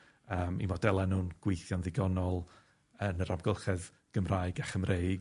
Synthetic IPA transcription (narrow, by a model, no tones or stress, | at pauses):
əːmḭmɔdɛlˠɛnuːnɡ̥wejθjɔnðɪɡɔnɔlˠ | ənəɾamɡəlˠχɛð | ɡ̥əmraɨɡaχəmrʔejɡ